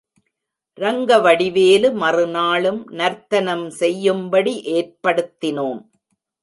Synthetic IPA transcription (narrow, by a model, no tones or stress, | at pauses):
ɾɐŋɡɐʋɐɽɪʋeːlɯmɐrɯnaːɭɯmnɐɾt̪ːɐnɐmsɛjːɯmbɐɽiʔeːrpɐɽɯt̪ːɪnoːm